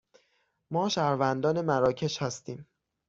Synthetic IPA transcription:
mɒːʃæɾvænd̪ɒːne̞mæɾɒːcʰe̞ʃhæst̪iːm

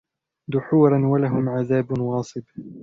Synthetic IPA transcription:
d̪ʊħuːɾˤɑnwalaɦʊmʕaðaːbnwɑːsˤɨb

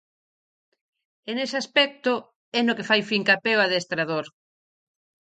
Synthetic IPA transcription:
enesaspɛk̚t̪ʊ | ɛnokefajfiŋkapɛoaðest̪ɾaðoɾ

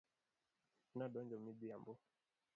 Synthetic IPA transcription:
naɗɔnd͡ʒɔmibiambɔ

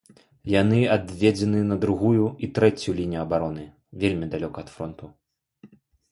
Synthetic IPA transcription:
janɨad̪vʲed͡zʲɛnɨnɐd̪ɾuɣujuit̪ɾɛt͡sʲjulʲinʲijuɐbaɾɔnɨ | vʲelʲmʲid̪alʲɔkɐɐt̪fɾɔnt̪u

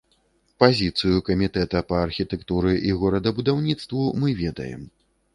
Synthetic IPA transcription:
pazʲit̪sɨjukɐmʲit̪ɛt̪ɐpɐːrxʲit̪ɛkt̪uɾɨʔiɣɔɾɐd̪ɐbud̪awnʲit̪st̪vumɨvʲɛd̪ɐ̰jɛ̰m

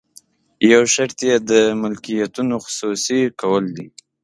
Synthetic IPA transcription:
jawʃaɾt̪jed̪əmʊlkijat̪unoxʊ̥susikawəld̪i

